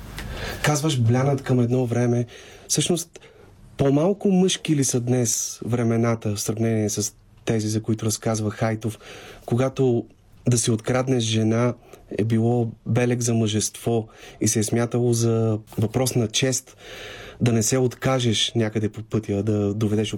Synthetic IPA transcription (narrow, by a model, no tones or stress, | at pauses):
kazvəʃblʲanət̪kɐmɛd̪nɔvɾɛmɛfsɤʃnost̪ | pomalˠkʊmɤʃkiːlisəd̪nɛsvɾɛmɛnat̪əfsɾɐvnɛniɛsəs | t̪ɛzizɐkoit̪ʊɾɐskazvəxajt̪ofkoɡat̪o | d̪ɐsiot̪kɾad̪nɛʃʒɛnaɛ̰bilˠɔbɛlɛɡzɐməʒɛst̪vɔisɛːsmʲjat̪əlˠozɐvɐpɾɔsnɐt͡ʃɛst̪d̪ɐnɛsɛot̪kaʒɛʃnʲakəd̪ɛpopɤt̪jəd̪ɐd̪ovɛd̪ɛʃ